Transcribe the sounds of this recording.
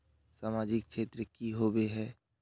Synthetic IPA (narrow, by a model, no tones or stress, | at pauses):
saːmaːd͡ʒɪkkʃʰeːt̪ɾəkiɦobeɦɛː